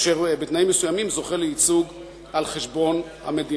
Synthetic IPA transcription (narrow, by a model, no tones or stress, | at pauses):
ʃeʁbet̪naimːesujamimzo̞χeleit͡suɡ | alχeʃbo̞n | a̰med̪i